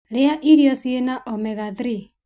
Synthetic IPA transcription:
ɾeaʔiɾiɔsienaʔɔmɛɣaðɾi

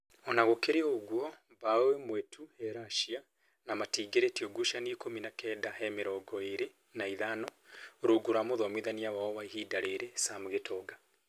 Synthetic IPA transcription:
ɔnaɣokeɾeoɣwɔ | βawemwetʰuhɛɾaʃia | namatiːɡeɾetiɔɡuʃanikominakɛːdahɛmeɾɔɡɔeɾe | naiðanɔɾoɡuɾamoðɔmwiðaniawaɔwaihiːdaɾeɾesamoɣetʰɔɡa

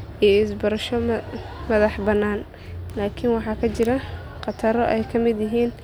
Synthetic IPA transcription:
ijɪsbɐɾɐʃɔmɐðɑħbɐnːaːn | laːkʰɪnwɑħɑːkʰɐt͡ʃɪɾɐ | qɑt̪ʰɐɾɔʔɛjkʰɐmɪd̪jɪɦiːn

